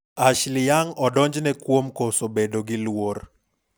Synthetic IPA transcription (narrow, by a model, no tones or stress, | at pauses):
aʃlɪjaŋɔdɔɲd͡ʒnɛkwomkosobedoɡɪlwor